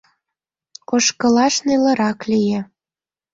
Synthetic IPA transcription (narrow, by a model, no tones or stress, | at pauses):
koʃkə̆lɑʃnelə̆ɾɑklijĕ